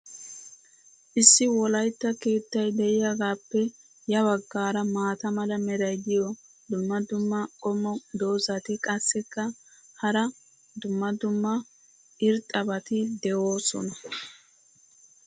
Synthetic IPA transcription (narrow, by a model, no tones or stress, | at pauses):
ʔɪsːɪwɔlɐjt̪ːɐke̞ːt̪ːɐjd̪ɛʔɪjaɡaːpːɛ | jɐbɐɡːaːɾɐmaːt̪ɐmɐlɐmɛɾɐjd̪ɪjɔ | d̪ʊmːɐd̪ʊmːɐkʼɔmːɔd̪o̞ːzɐt̪ɪkʼɐsːɛkːɐhɐɾɐ | d̪ʊmːɐd̪ʊmːɐ | ɪɾt̪ʼːɐbɐt̪ɪd̪ɛʔoːsɔ̰nɐ